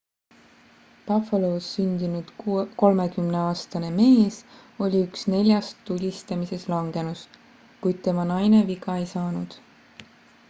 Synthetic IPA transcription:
pɑfeloːsːynʲd̪̥inud̪̥ko̞lme̞kymne̞ɑːst̪ɑne̞me̞ːs | o̞lʲiyksne̞lʲjɑst̪ːulʲist̪ɑmise̞slɑŋɡ̥e̞nus | kujd̪̥̚t̪e̞mɑnɑjne̞viɡɑe̞jsɑːnud̪̥

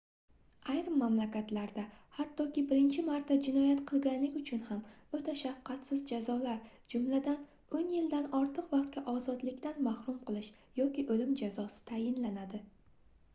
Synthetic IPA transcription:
ajɾɪmːamlakʲat̪laɾd̪ahat̪ʰːɒkʲɪbɪɾɪnt͡ʃʰɪmaɾt̪ʰːad͡ʒɪnɒjat̪qʰɨlˠɡʲanlɪkʲʊt͡ʃʰʊnhamot̪ʰaʃafqːɑt̪sɪzd͡ʒazɒlaɾ | d͡ʒʊmlad̪an | onjɪld̪anɒɾt̪ʰɨqvɑqt̪̚kʲaʔɒzɒd̪lɪkʲt̪anmahɾʊmqʰɨlˠɪʃ | jɒkʲɪʔolɪmd͡ʒazɒsɪ̥t̪ʰajɪnlanad̪ɪ

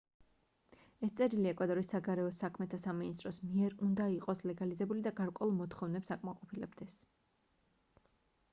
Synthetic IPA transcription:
ɛst̪sʼɛɾiliɛkʼwad̪ɔɾisːaɡaɾɛɔsakʰmɛt̪ʰasaminist̪ʼɾɔsmiɛɾund̪aiqʼɔslɛɡalizɛbulid̪aɡaɾkʼwɛulˠmɔt̪ʰχɔvnɛpsakʼmaqʼɔpʰilɛbd̪ɛs

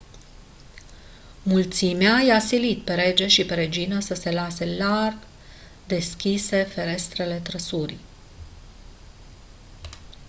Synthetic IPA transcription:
mult̪simeajasilit̪pe̞ɾe̞d͡ʒe̞ʃipe̞ɾe̞d͡ʒinəsəse̞lase̞larɡ | d̪e̞skʲise̞fe̞ɾe̞st̪ɾe̞le̞t̪ɾəsuɾi

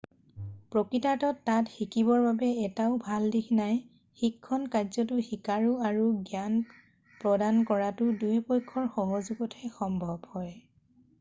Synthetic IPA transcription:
pɹɔkɹitatɔtːatxikibɔɹbabɛɛtaʊbʱaldikʰnaj | xikʰːɔnkazɔtʊxikaɹuaɹuɡjan | pɹɔdankɔɹatʊdujpɔjkʰːɔɹxɔɦozuɡɔtʰɛxɔmbʱɔbhɔj

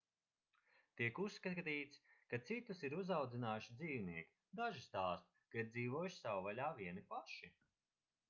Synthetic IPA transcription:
t̪iɛkusːkat̪iːt̪skat̪sit̪usiɾuzawd̪zinaːjuʃid̪ziːwniɛkʲi̥ | d̪aʒist̪aːst̪ | kaiɾd̪ziːvuɔjʃsawvalʲaːviɛnipaʃi

